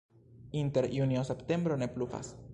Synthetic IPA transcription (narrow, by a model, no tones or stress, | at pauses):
inte̞ɾjuniosepte̞mbɾo̞ne̞plufa̰s